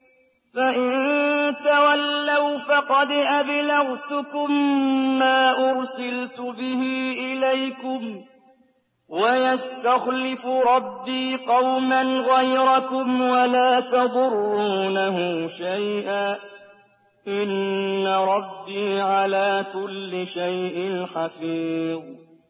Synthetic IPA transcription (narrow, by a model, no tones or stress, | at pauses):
faʔɪnt̪awalːawfɑqɑd̪ʔablaɣt̪ʊkʊmː | aːʔʊɾsɪlt̪ʊbɪhiːʔɪlajkʊm | wajast̪axlɪfʊɾˤɑbːiːqɑwmanɣajɾˤɑkʊmwalaːt̪ɑðˤʊrˤːuːnahʊʃajʔaː | ʔɪnːaɾˤɑbːiːʕalaːkʊlːɪʃajʔɪnħafiːðˤ